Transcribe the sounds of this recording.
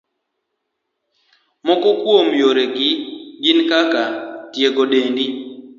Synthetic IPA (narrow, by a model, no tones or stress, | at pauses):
mɔkɔkwomjoɾeɡɪɡɪnkakatjeɡoɗendi